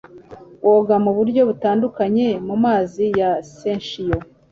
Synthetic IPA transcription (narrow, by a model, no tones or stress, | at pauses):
wʔoɡamuβuɾɟo̞βutaːndukaɲe̞mumaːzijasenʃijo